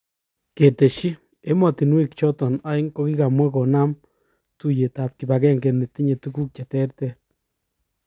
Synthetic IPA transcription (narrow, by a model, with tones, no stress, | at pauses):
ke˨te˨ʃi˦ | e˦mɔ˨ti˨nwi˦kt͡ʃɔ˦tɔ˨na˦i˦ŋko˦ki˦ka˨mwɛ˦kɔ˨na˦m | tu˦je˨ta˨p̚ki˨ba˨k̬ɛ˦ŋɡe˨ne˨ti˦ɲe˨tuku˦k̚t͡ʃe˨tɛ˦ɾtɛ˦˨